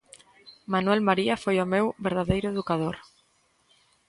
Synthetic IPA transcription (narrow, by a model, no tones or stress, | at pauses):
manuɛlmaɾiafojomewβeɾð̞aðejɾʊeðukaðoɾ